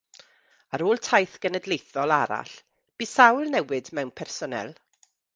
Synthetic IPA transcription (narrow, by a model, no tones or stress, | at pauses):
aɾoːlˠtʰajθɡ̥ənədlejθɔlˠaɾa̰ɬ | b̥iːsawlˠnɛwɨdmɛwnpʰɛrsɔnɛ̰lˠ